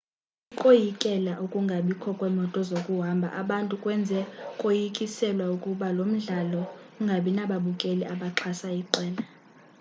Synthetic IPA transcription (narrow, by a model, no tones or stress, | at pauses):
ikʼojikʼɛlaʔukʼuŋɡʱaɓikʰɔkʼwɛmɔtʼɔzokʼuɦambʱa̰ʔaɓantʼukʼwɛnd͡zʱɛkʼojikʼisɛlwaukʼuɓalom̩ɮalɔ | uŋɡʱaɓinaɓaɓukʼɛlɛʔaɓaǁʰasaiǃɛːla